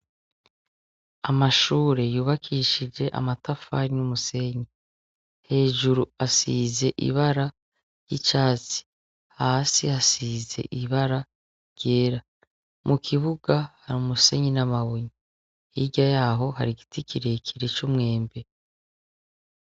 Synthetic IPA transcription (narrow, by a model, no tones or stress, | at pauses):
amaʃuːɾe̞juːβakʰiʃid͡ʒe̞ʔa̰matafaɾijumuse̞ɲi | he̞ːʒuɾuasiːze̞ʔḭβaɾa | jit͡ʃaːt͡si̥ | haːsihasiːze̞̰ʔiβaɾa | ɾɟ̥eːɾa | mʔukʰiβuɡahaɾumuse̞ɲinamaβoɲii | hiɟajaːɦo̞ɦaɾiɡitikʰiɾe̞kʰiɾet͡ʃumŋe̞ːmbe̞